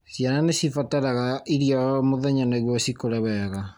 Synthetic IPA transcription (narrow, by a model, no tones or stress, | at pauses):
sjananesifataɾaɣaiɾiɔmoðɛɲanaiɣwɔsikoɾɛβɛɣa